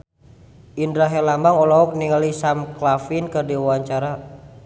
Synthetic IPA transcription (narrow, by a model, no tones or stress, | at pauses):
ʔindɾaɦɛlambaŋɔlɔɔk̚niŋalisamklafinkərdiwaɲt͡ʃaɾa